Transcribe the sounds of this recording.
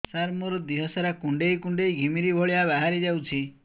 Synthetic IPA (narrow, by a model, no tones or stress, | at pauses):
saɾmɔɾɔd̪iɦɔsaɾakuɳɖejkuɳɖejɡʱimiɾibʱɔɭiaβaɦaɾid͡ʒawt͡ʃʰi